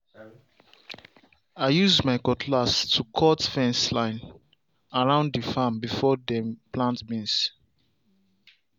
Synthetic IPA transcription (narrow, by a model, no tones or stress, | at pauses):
aɪjuzmaɪkɔkʰlastʰukʰɔtfɛ̃nslãɪ̃n | aɹãʊ̃ndifãmbifɔdɛ̃mpʰlãntbĩns